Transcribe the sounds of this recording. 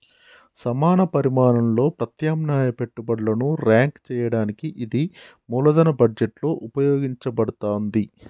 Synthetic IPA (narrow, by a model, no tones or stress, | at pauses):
sɐmaːnɐpɐɾimaːnɐmlo̞ːpɾɐt̪jaːmnaːjɐpe̞ʈːubɐɽlɐnuɾaːŋkt͡ʃɛːjɐɽaːnikiʔid̪i | muːlɐd̪ɐnɐbɐd͡ʒeʈlo̞ːʔupɐjoːɡiɲt͡ʃɐbɐɽut̪aːnd̪i